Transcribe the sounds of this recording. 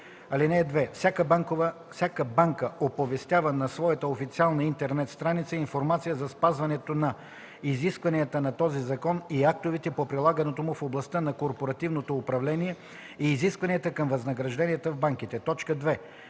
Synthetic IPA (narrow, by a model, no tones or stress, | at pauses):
ɐlinɛːd̪vɛfsʲakək | sʲakəbaŋkəopovɛst̪javənɐsvɔjət̪əofit̪sialˠnɐint̪ɛɾnɛt̪st̪ɾanit̪səinfoɾmat̪sijəzɐspazvɐnɛt̪onɐ | iziskvɐnijɐt̪ənɐt̪ɔzizɐkɔniak̚t̪ovit̪ɛpopɾilˠaɡɐnɛt̪omʊfoblˠɐst̪ənɐkoɾpoɾɐt̪ivnot̪oːpɾɐvlɛniɛ | iːziskvɐnijət̪əkɐmvɐznɐɡɾɐʒd̪ɛniət̪əvbaŋk̟it̪ɛt̪ɔt͡ʃkəd̪vɛ